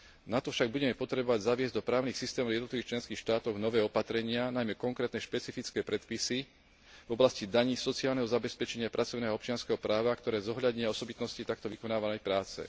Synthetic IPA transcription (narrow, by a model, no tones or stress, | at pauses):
nat̪ɔfʃaɡ̚buɟɛmɛpɔt̪ɾɛbɔʋaɟzaʋɪɛzɟd̪ɔpɾaːʊniːxsist̪ɛːmɔvjɛd̪ɔt̪liʋixt͡ʃlɛnskiːxʃt̪aːt̪ɔɣnɔʋɛːɔpat̪ɾɛɲɪanajmɛkɔŋkɾɛːt̪nɛʃpɛt͡sifit͡skɛːpɾɛt̪pisi | vɔblascid̪aɲiːsɔt͡siaːlnɛɦɔzabɛspɛt͡ʃɛɲɪapɾʔat͡sɔʊnɛːɦɔɔpt͡ʃɪanskɛɦɔpɾaːʋakt̪ɔɾɛːzɔɦʎad̪ɲɪaɔsɔbit̪nɔscit̪ak̚t̪ɔʋikɔnaːʋanɛjpɾaːt͡sɛ̰